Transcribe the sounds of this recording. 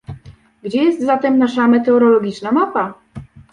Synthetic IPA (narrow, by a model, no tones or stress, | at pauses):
ɡd͡ʑɛjɛst̪zat̪ɛmnaʂamɛt̪ɛɔɾɔlɔɡʲit͡ʂnamapa